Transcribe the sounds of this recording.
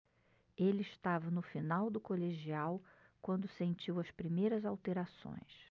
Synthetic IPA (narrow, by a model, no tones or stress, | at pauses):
elɪɪʃt̪avɐnʊfinawd̪ʊkoleʒiaw | kwɐ̃nd̪ʊsẽnt͡ʃiwɐspɾimejɾɐzawt̪eɾasõ̰j̃s